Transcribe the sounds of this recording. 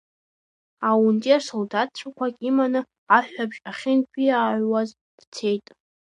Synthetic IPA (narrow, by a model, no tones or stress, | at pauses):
awuntʼiasoldat̚ʰt͡ɕʷʰakʷʰakʲʼimanɨ | aħᶣʷabʒʼaχʲɪnkʷʼiaʕʷwaz | d̥t͡sʰe̞jtʼ